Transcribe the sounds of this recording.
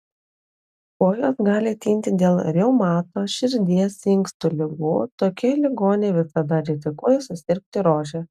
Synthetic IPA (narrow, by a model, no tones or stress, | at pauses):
koːjosɡɑːlʲɪɐt̪ʲiːnʲt̪ʲɪd̪ʲeːlˠɾʲɛʊmɑːt̪oːʃʲɪɾʲd̪ʲiɛsɪŋkst̪ʊlʲɪɡuːt̪oːkʲɛlʲɪɡoːnʲeːʋʲɪsɐd̪ɐɾʲɪzʲɪkuɔjɛsʊsʲɪɾʲk̚ʲt̪ʲɪɾoːʒʲɛ